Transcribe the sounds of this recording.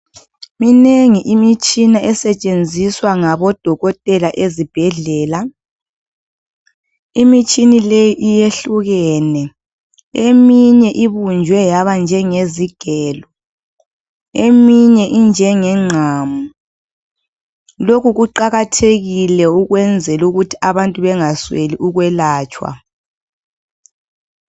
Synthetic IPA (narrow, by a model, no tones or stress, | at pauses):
mineŋiʔimit͡ʃʼinaʔɛsɛt͡ʃʼend͡zʱiswaŋaβɔd̥ʱɔɣɔtʼɛlaʔezib̥ʱɛɮɛːla | imit͡ʃʼinilejiʔijeɬuɣɛːnɛ | emiɲɛʔiβund͡ʒʱwɛjaβand͡ʒʱɛŋeziɡ̥ʱɛːlɔ | emiɲɛʔind͡ʒʱɛŋɛŋ͡ǁʱamu | lokuɣuǃaɣatʰeɣilɛuɣwɛnd͡zʱɛluɣutʰi̥aβantʼuβɛŋasweliʔuɣwɛlaːt͡ʃʼwa̰